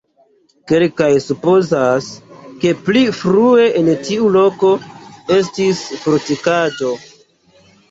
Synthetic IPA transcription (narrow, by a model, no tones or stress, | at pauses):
ke̞lkajsupo̞zaske̞plifɾue̞ʔentiulo̞ko̞e̞s̬tisfoɾtikad͡ʒo̞